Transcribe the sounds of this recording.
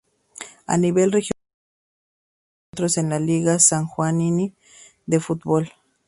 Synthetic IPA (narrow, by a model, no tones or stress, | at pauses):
a̰niβelrexj | t̪ɾosenlaliɣasaŋxwanini | d̪efut̪̚bol